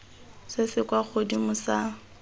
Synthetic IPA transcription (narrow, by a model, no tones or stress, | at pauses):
sɪsɪkwaχʊdimʊsa